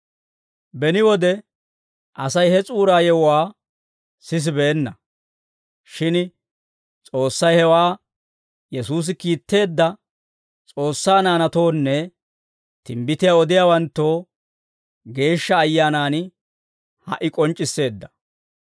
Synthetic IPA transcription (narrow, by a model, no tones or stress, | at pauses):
bɛnɪwɔd̪ɛ | ʔɐsɐjhɛt͡sʼuːɾaːjɛwwaː | sɪs̬ɪbeːnːɐ | ʃɪn | t͡sʼo̞ːsːɐjhɛwaː | jɛsuːs̬ɪkiːt̪ːe̞ːd̪ːɐ | t͡sʼo̞ːsːaːnaːnɐt̪o̞ːnːɛ | t̪ɪmbɪt̪ɪjaːɔd̪ɪjaːwɐnt̪ːo̞ː | ɡe̞ːʃːɐːjːaːnaːn | hɐ̰ʔɪkʼɔnt͡ʃʼːɪsːe̞ːd̪ːɐ̥